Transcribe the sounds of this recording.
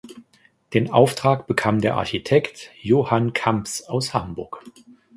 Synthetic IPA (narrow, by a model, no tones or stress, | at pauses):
d̥eːnʔa̰ʊftʁ̥aːkb̥əkʰaːmdeːɐʔa̰ɐçitʰɛktjoːhankʰampsaʊshambʊɐk